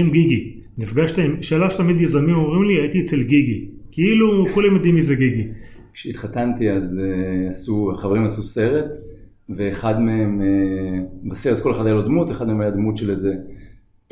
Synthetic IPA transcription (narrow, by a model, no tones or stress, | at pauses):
emɡiɡi | nifɡaʃt̪amʃeːlaʃet̪amid̪jezʁamimomʁimliait̪iet͡selɡiɡikeilukulemjad̪imːizeɡiɡi | kʃeit̪χat̪ant̪iazeasuaχaveʁimasuse̞ʁet̪ | veːχad̪meeme | baseʁet̚koleχad̪ajalod̪mut̪e̞χad̪̚meemajad̪mut̪ʃeleze